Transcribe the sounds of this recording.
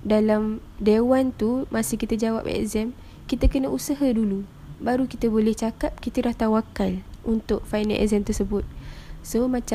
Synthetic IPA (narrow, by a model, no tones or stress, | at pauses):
dalam | dewant̪umasihkit̪ad͡ʒawa̰pɛ̰ʔzɛm | kit̪akənəʔusaɦadulu | baɾukit̪abolɛht͡ʃakap̚kit̪əɾaht̪awakalʔunt̪ʊʔ̚faina̰ʔɛ̰zɛmt̪ərsəbʊt̪̚somãt͡ʃ